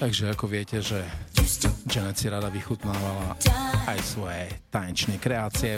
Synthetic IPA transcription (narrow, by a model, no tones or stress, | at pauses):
t̪aɡʒɛakɔʋɪɛcɛʒɛ | ʒɛnɛt͡siɾad̪aʋixut̪naːʋalaʔajsʋɔjɛt̪ajɛnt͡ʃnɛjkɾɛaːt͡siɛ